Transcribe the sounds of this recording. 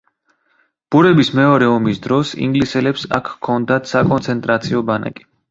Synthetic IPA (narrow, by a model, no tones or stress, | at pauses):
b̥uɾɛbismɛɔɾɛɔmisd̪ɾɔsḭŋɡlisɛlɛpsa̰kʰkʰːɔnd̪at̪ʰsakʼɔnsʰɛnt̪ʼɾat̪sʰiɔbana̰kʼi̥